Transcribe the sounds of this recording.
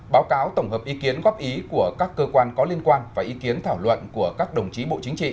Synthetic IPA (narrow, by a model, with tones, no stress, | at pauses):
ɓaː˨˦wkaː˨˦wt̪ə˧˩ŋ͡mɦəː˨˩p̚ʔi˨˦ki˨˦ənɣɔ˦˥p̚ʔi˨˦ku˧˩əkaː˦˥kːəː˧kwaː˧nkɔ˨˦li˧ənkwaː˧nvaː˨˩ʔi˨˦ki˨˦ənt̪ʰaː˧˩wlwə̰˧˨nku˧˩əkaː˦˥k̚ɗə˨˩wŋ͡mt͡ɕi˨˦ɓo̰˧˨t͡ɕï˨˦ŋ̟t͡ɕḭ˧˨